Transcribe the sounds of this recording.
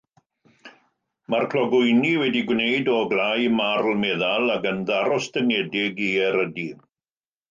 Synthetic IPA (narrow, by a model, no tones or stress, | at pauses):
markʰl̥ɔɡʊjniwɛdiɡwneɨdɔɡlajmarlmɛðalˠakənðaɾɔsd̥ənɛdɪɡiɛɾədi